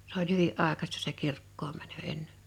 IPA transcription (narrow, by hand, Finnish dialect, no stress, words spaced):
s olʲ hyʋiʔ ʔɑˑekɑstɑ se kirkːoːm mænø enːe̥n̥